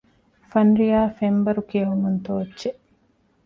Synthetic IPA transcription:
fɐnɾijaːfembɐɾukiɐɦumunt̪oːɐtːʃeʔ

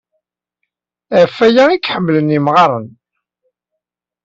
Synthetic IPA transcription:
æfːæjæikːħəmːlənimʁɑɾˤə̰n

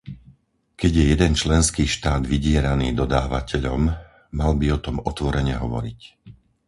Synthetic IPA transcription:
kɛɟjɛjɛd̪ɛnt͡ʃlɛnskiːʃt̪aːd̪ʋiɟɪɛɾaniːd̪ɔd̪aːʋa̰cɛʎɔmː | albiɔt̪ɔmɔt̪ʋɔɾɛɲɛɦɔʋɔ̰ɾic

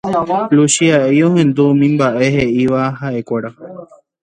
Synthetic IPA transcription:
luʃiaioɦẽ̞nd̪umĩmbaʔe̞ɦe̞ʔiʋaɦaʔe̞kʷeɾa

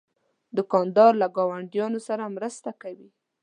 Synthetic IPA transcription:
d̪əkɑnd̪ɑɾlaɡɑwaɳɖjɑnosaɾamɾəst̪akawi

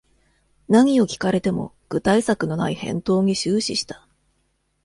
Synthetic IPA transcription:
naɲ̟io̞kʲi̥kaɾe̞t̪e̞mo̞̰ | ɡ̥ɯ̟t̪aisakɯ̟no̞na̰ihẽ̞̰nt̪o̞ːɲ̟iɕɨːɕiɕi̥t̪ḁ

